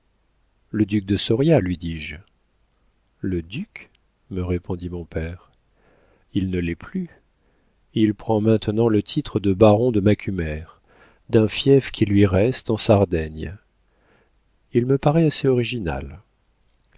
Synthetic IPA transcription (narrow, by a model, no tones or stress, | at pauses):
ləd̪yk̚d̪əsɔʁjalɥid̪iʒ | ləd̪yk | məʁepɔ̃d̪imɔ̃pɛʁ | ilnəlɛply | ilpχɑ̃mɛ̃t̪nɑ̃lət̪ʰit̪χəd̪əbaʁɔ̃d̪əmakʲʰymɛʁ | d̪ɛ̃fjɛfkʲʰilɥiʁɛst̪ɑ̃saʁd̪ɛɲ | ilməpaʁɛaseɔʁiʒina̰l